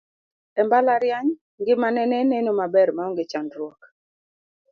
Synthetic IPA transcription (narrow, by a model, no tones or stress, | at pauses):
ɛmbalaɾjaɲ | ŋɡɪmanɛnɛnenomabɛɾmaɔŋɡɪt͡ʃandɾwɔk